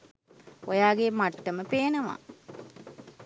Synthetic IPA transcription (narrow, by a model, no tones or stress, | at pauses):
ojaːɡemaʈːəməpeːnəʋa̰